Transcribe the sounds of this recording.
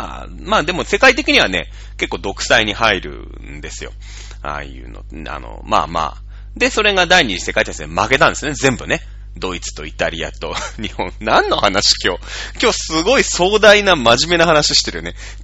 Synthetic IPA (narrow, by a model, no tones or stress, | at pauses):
a̰ | maːd̪e̞mo̞se̞kait̪e̞kʲiɲ̟iβane̞̰ | ke̞kːo̞ːd̪o̞kɯ̟̥saiɲ̟ihaiɾɯ̟̰ | nd̪e̞sɨjo̞̰ | a̰jɯ̟̰ːno̞̰ | a̰no̰ma̰ːma̰ː | d̪e̞so̞ɾe̞ɡad̪aiɲ̟id͡ʑise̞kait̪aismake̞t̪ãnd̪esɨjonezẽ̞mbɯ̟ne | d̪o̞it͡sɨ̥t̪o̞it̪aɾʲia̰t̪o̞ɲ̟ihõ̞nnãnːo̞hanaɕi̥kʲo̞ːkʲo̞ːsɨɡo̞iso̞ːd̪ainamaʑime̞nahanaɕi̥ɕi̥t̪e̞ɾɯ̟one